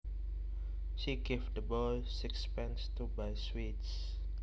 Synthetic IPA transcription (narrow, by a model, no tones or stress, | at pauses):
ʃiɡevdəbɔl | sikspɛ̃nstubaɪswits